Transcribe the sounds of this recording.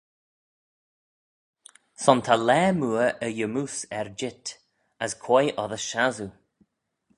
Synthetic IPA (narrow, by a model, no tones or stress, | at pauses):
sɔnt̪ʰalɛːmuəʔəjəmusɛɹd͡ʒɪt | əskʰwɔjʔɔðəʃazu